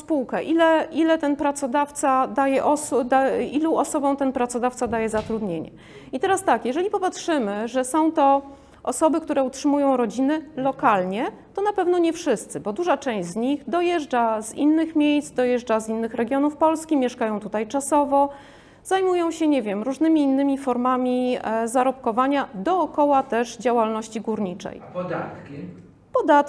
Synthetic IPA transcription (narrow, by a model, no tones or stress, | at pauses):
spuwkɛʔilɛʔilɛt̪ɛnpɾat̪sɔd̪aft̪sad̪ajɛʔɔsd̪ailɔ̃ʔɔsɔbɔ̃w̃t̪ɛnpɾat̪sɔd̪aft̪sad̪ajɛzat̪ɾud̪ɲeɲɛ̰ | it̪ɛɾast̪akjɛʐɛlʲipɔpatʂɘmɘʐɛsɔ̃w̃t̪ɔ | ʔɔsɔbɘkt̪uɾɛutʂɘmujɔ̃w̃ɾɔd͡ʑinɘlɔkalɲɛ | t̪ɔnapɛvnɔɲɛfʂɘst̪sɘbɔd̪uʐat͡ʂɛ̃w̃ʑd͡ʑzɲiɣd̪ɔjɛʐd͡ʐazḭnːɘxmʲjejsd̪ɔjɛʐd͡ʐazinːɘxɾɛɡʲjɔnufpɔlskʲimʲjɛʂkajɔ̃w̃t̪ut̪ajt͡ʂasɔvɔ | zajmujɔ̃w̃ɕɛɲɛvʲjɛmɾuʐnɘmʲiːnːɘmʲifɔɾmamʲizaɾɔpkɔvaɲad̪ɔːkɔwat̪ɛʐd͡ʑawalnɔɕt͡ɕiɡuɾɲit͡ʂɛ̰jd̪at̪k | pɔd̪at̪